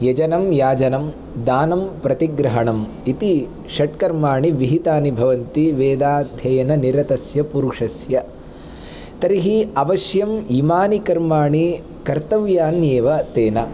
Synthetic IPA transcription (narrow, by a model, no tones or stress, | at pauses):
jɐd͡ʒɐnɐmjaːd͡ʒɐnɐm | d̪aːnɐmpɾɐt̪iɡɾɐɦɐɳɐm | it̪i | ʃɐʈkɐɾmaːɳiʋiɦit̪aːnibʱɐʋɐnt̪iʋeːd̪aːd̪ʱjɐjɐnɐniɾɐt̪ɐsjɐpuɾuʂɐsjɐ | t̪ɐɾiɦiɐʋɐʃjɐmiːmaːnikɐɾmaːɳi | kɐɾt̪ɐʋjaːnjeːʋɐt̪eːnɐ